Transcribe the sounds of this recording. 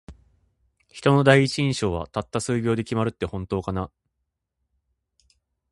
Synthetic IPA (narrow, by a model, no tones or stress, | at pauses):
çi̥t̪o̞no̞d̪aiit͡ɕiĩɕo̞ːβa̰t̪at̪ːasɨːɡʲo̞ːd̪e̞kʲimaɾɯ̟t̪ːe̞hõ̞nt̪o̞ːkana